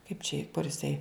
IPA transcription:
kɐɪp t͡ʃʲɛ ɪ kʊr ɪˈsɐɪ

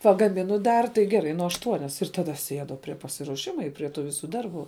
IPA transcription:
pɐɡɐˈmʲɪnʊ ˈdɐr tɐɪ ɡʲɛˈrɐɪ nʊ ɐʃˈtuɔnʲɛs ɪr tɐˈdɐ ɐʃ ˈsʲiɛdʊ pʲrʲiɛ pɐsʲɪruɔˈʃʲɪmʊ ɪ pʲrʲiɛ ˈtuː ˈʋʲɪsʊ ˈdɐrˌbuː

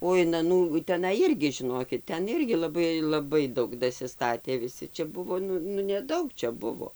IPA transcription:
oː ɪn ɐˈnuː tʲɛˈnɐɪ ˈɪrʲɡʲɪ ʒʲɪˈnoːkʲɪt ˈtʲɛn ˈɪrʲɡʲɪ lˠɐˈbɐɪ lˠɐˈbɐɪ ˈdɐʊk dɐsʲɪˈstɑːtʲeː ʋʲɪˈsʲɪ t͡ʃʲɛ ˈbʊʋoː ˈnʊ nʊ nʲɛˈdɐʊk ˈt͡ʃʲɛ ˈbʊʋoː

